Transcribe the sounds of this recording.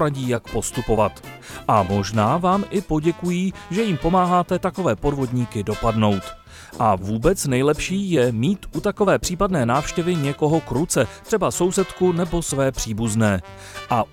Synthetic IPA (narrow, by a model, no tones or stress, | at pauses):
ɾaɟiːjakpo̞st̪upo̞vat̪ | ʔamo̞ʒnaːvaːmʔɪpo̞ɟɛkujiːʒɛjimpo̞maːɦaːt̪ɛt̪ako̞vɛːpo̞dvo̞dɲiːkɪdo̞padno̞wt̪ | ʔavuːbɛt͡snɛjlɛpʃiːjɛmiːt̪ʔut̪ako̞vɛːpr̥iːpadnɛːnaːfʃcɛvɪɲɛko̞ɦo̞kɾut͡sɛt̪r̥ɛbaso̞wsɛt̪kunɛbo̞svɛːpr̝̥iːbuznɛː | ʔa